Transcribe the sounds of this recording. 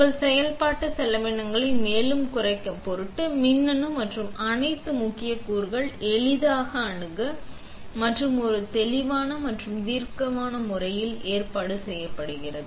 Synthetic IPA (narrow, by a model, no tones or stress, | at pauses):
ɐlsɛjɐlpaːʈːɐsɛlːɐʋɛɳːɐŋɡɐɭɪnmeːlɯmkʊrɐɪkːɐmpɔɾɯʈːɯmɪnːɐnɯmɐʈrɯmɐnɐɪt̪ːɯmʊkːɪjɐkuːɾɣɐɭɛɭɪðaːɣɐːɳɯɣɐ | mɐʈrɯmɔɾɯt̪ɛlɪʋaːnɐmɐʈrɯmt̪iːɾkɐmaːnɐmʊrɐjɪleːrpaːɽɯsɛjːɐpːɐɽɯɣɪrɐðɯ